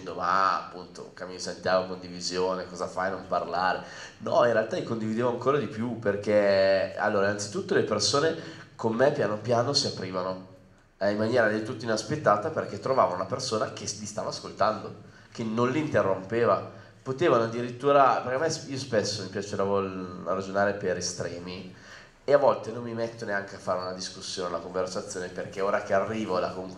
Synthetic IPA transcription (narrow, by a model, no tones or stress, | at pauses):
nd̪oma̰a̰pːunt̪o̰kamisent̪jaːvokond̪ivizjoːnekɔːzafajnomparlaːɾe | nɔ̰inrealt̪alikond̪ivid̪eːvoaŋkoːɾad̪ipjuperk̟ea̰lːoːɾainant̪si̥t̪ut̪ːolepersoːnekomːepjaːnopjaːnosiapːɾiːvano | ɛimːanjɛːɾad̪elt̪ut̪ːoinaspet̪ːaːt̪aperk̟et̪ːɾovaːvonunapersoːnak̟esmist̪a̰ːvaskolt̪and̪o | kenõnlint̪erːompeːva | pot̪eːvanoad̪ːiɾit̪ːuːɾapeɾkeamɛsiːospesːomipjat͡ʃeɾavorad͡ʒonaːɾepeɾest̪ɾɛːmi | eavɔlt̪enomːimet̪ːoneaŋk̟eafːaːɾeunad̪iskusːjoːnealakoɱversat̪sːjoːneperkeoːɾak̟earːiːvola̰koŋ